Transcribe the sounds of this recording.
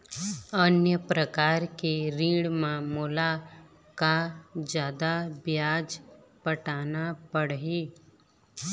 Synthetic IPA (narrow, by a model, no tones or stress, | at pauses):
ənjəpɾəkaːɾkeɾĩːɽmãmula | kad͡ʒjaːd̪abjaːd͡ʒ | pəʈaːnapəɽɦiː